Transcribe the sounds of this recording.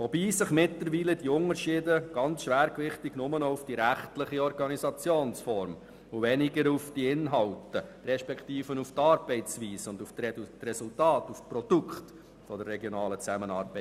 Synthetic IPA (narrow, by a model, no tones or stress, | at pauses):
vɔbiːsɪχmɪtləɾʋiːlədiʊŋəɾʃɪːdəɡ̥ɑnt͡sʃʋæːɾkʋɪχtɪɡ̥nʊmənɔufd̥iɾæχtlɪχiɔɾɡɑnisɑt͡sjoːnsfɔɾm | uvɛnɪɡəɾufd̥iɪnɦɑltəɾɛʃpɛktiːfənuftɑːɾbɛɪt͡sʋiːsʊnduftrɛsultɑːtufprɔd̥ukχt | fɔdərːɛɡjɔnɑːlət͡sæmənɑːɾbɛɪ